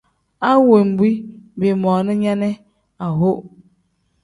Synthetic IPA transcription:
a˦we˨m̩˨bi˦be˨mɔ˨nʊ˦ɲa˦nɛ˦ | a˨ɦo˦

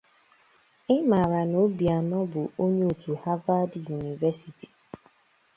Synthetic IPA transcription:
ɪ˦ma˨ɾa˨no˨˦bi˨a˨nɔ˦bʊ˨o˦ɲe˦o˨tu˨ha˦va˦dju˨ni˨vɛ˦si˨ti̥˨

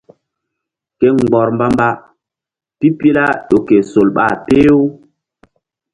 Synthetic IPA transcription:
ke˦ŋɡ͡bɔ˨ɾmba˦mba˦ | pi˦pi˦la˦ɗo˨ke˨so˨lɓa̰˦˨pe˦o˦

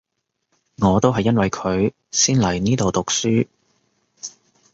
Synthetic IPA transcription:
ŋɔː˨˧t̪o˥wɦɐ˨jːɐ˥nwɐ˨jkʰɵ˨˧ɥ | siː˥nlɐ˨˩jniː˥t̪o˨wt̪ʊ˨k̚syː˥

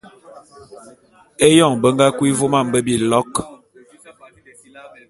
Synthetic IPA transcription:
e˦jɔ˦˨ŋbə˦ŋɡa˦kwi˦vo˦ma˦˨m˨bə˦bi˨lɔ˦k

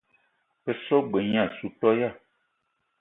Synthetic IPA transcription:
pe˦sɔ˦ɡ͡be˨ɲã˦˨su˨tɔ˦ja˦˨

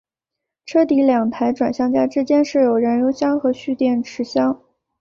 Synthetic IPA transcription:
ʈ͡ʂʰɤ˥t̪i˧˥ljɑ˨˩ŋt̪ʰa˧˥ɪʈ͡ʂwa˨˩nɕjɑ˥˧ŋt͡ɕja˥ʈ͡ʂɻ̩˥t͡ɕjɛ˥nʂɻ̩˥˩jo˨˩ʊɻə˧˥nɻo˧˥ʊɕjɑ˥ŋxɤ˧˥ɕy˥˧t̪jɛ˥˩nʈ͡ʂʰɻ̩˧˥ɕjɑ˥ŋ

